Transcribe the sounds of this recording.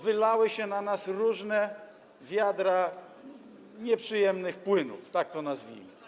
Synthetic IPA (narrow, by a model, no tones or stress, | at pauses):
vɘlawɘɕɛnanasɾuʐnɛ | vʲjad̪ɾa | ɲɛpʂɘjɛmnɘxpwɘnṵft̪ak̚t̪ɔnazvʲḭmɘ̰